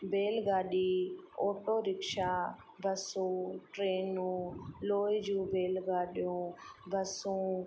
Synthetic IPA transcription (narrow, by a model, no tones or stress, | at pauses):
beːlɡaːɗiːoːʈoːɾɪkʃaː | bəsũːʈɾeːnũːloːid͡ʒũːbeːlɡaːɗjũːbəsũː